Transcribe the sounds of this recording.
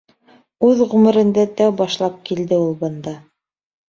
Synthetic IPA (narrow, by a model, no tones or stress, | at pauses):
ʉðʁɵ̆mɘ̆ɾɘ̆nd̪æt̪æwbɑʃlˠɑp̚kild̪ɘulˠbɤ̆nd̪ɑ